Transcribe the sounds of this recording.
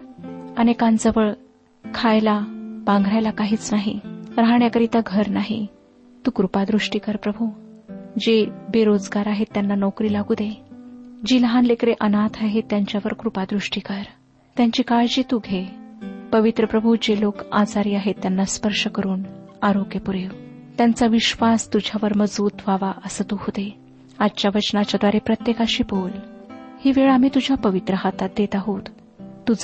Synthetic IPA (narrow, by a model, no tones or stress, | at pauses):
ənekand͡zəʋəɭ | kʰajlabãŋɡʱɽajlakaɦiːt͡snaɦiɾaɦɳjakəɾit̪aɡʱəɾnaɦḭ | t̪uːkɾupad̪ɾuʂʈiːkəɾpɾəbʱu | d͡ʑebeɾod͡zɡaɾaɦet̪ːjanːanɔkɾiːlaɡud̪e | d͡ʑiːləɦãnlekɾeʔənat̪ʰaɦet̪jaɲt͡ɕjaʋəɾkɾupad̪ɾuʂʈikaɾ | t̪jãɲt͡ɕiːkaɭd͡ʑit̪uɡʱepəʋit̪ɾəpɾəbʱud͡ʑelokat͡saɾiːaɦet̪ːjanːaspəɾʂəkəɾuːnaɾoɡjəpuɾeʋt̪jant͡saʋiɕʋast̪ud͡ʑʱjaʋəɾməd͡zbuːt̪ʋaʋaʔəsət̪uhod̪e | ad̪t͡ɕjaʋət͡ɕnat͡ɕjad̪ʋaɾepɾət̪jekaɕiːbolhiːʋeɭamiːt̪ud͡ʑʱjapəʋit̪ɾəɦat̪at̪̚d̪et̪aɦot̪ː | ud͡z